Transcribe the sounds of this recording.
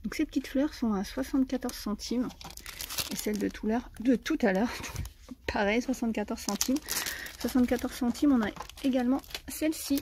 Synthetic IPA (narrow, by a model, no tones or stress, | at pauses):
d̪̥ɔ̃ksepət̪it̪flœʁsɔ̃aswasɑ̃t̪kat̪ɔʁz̥sɑ̃t̪ʰim | esɛld̪ət̪ʰulœʁd̪ət̪ut̪alœːʁd̪ɔ̃k | pʰaʁɛjswasɑ̃t̪kat̪ɔʁz̥sɑ̃t̪ʰimswasɑ̃t̪kat̪ɔʁz̥sɑ̃t̪ʰimɔ̃naeɡalmɑ̃sɛlsi